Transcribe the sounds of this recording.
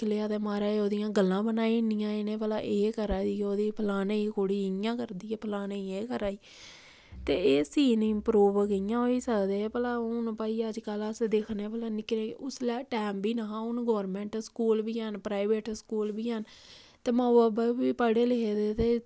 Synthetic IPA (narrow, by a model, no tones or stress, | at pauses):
leaːd̪eːmaːɾaːeoːd̪ɪjãːɡəlːãːbənaːiːnɪjãːɪnẽːpəlaːʔeːkəɾaːiːoːd̪iːpʰəlaːneːiːkoːɽiːɪjãːkəɾd̪iːeːpʰlaːneːieːkəɾaːiː | t̪eːeːsiːnɪmpɾuːʋkəjãːɦoːiːsəkd̪eːpəlaːʊnpaːiːəd͡ʒkələsd̪eːkʰneːpəlaːnɪkneːʊslɛːʈɛːmbiːnaɦãːʊnɡɔːɾmɛ̃ːɳʈskuːlbiːɦənpɾaːɪʋeːʈskuːlbiːɦən | t̪eːməːəbəiːpəɽeːleeːd̪eːt̪eː